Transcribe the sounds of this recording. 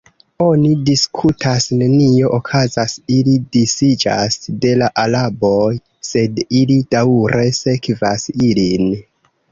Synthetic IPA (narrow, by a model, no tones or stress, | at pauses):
o̞nidiskʰutʰasne̞nio̞ʔokʰazasilidisid͡ʒa̰sde̞laʔalabo̞j | se̞dilid̥awɾe̞se̞kvasilin